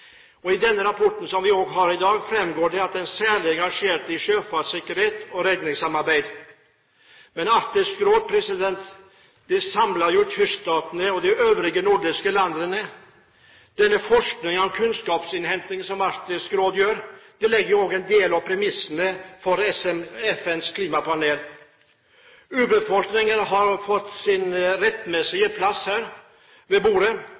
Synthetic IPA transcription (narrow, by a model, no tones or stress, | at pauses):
ɔɪd̪ɛnːəɾɑpʰɔʈːn̩sɔmʋɪoːɡɦɑɾɪd̪ɑːɡfɾɛmɡoːɖɛɑt̪̚d̪ɛnsæːɭɪɛŋɡɑʂeːɾt̪ɪʂøːfɑsɪkːəɾheːt̪ɔɾɛd̪nɪŋsɑmɑɾbæɪd̪ | mɛnɑɾt̪ɪskɾoːd̪̚pʰɾɛsɪd̪ɛnt̪ | d̪̥ɛsɑmlɑɾjʊt̪ʰʏst̪ɑːt̪nəɔd̪ɪʔøːʋɾɪɡənʊɖɪskəlɑnd̪ənə | d̪̥ɛnːəfɔʂknɪŋɔmkʰʉnskɑːpsɪnhɛmt̪ɪŋsɔmɑɾt̪ɪskɾoːd̪jøːɾd̪̥ɛlɛɡːəjʊoːɡəɛnd̪eːlɑʋpʰɾɛmɪsənəfɔɾɛɛfɛnskʰliːmɑpɑneːl | ʉːbəfɔlknɪŋənɦɑɾfɔt̪ːsɪnɾɛt̪ːmɛsɪɡəpʰlɑshæːɾ | ʋeːbuːɾə